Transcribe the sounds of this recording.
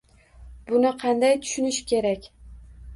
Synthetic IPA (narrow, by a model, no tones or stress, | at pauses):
bʊnɪqʰɑnd̪ajt̪ʰʊ̥ʃɪnɪʃɪ̥kʲʰe̞ɾakʲ